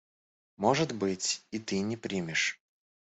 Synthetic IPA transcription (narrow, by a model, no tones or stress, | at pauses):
moʐɨt̪bɨtʲit̪ɨnʲɪpɾʲimʲɪʂ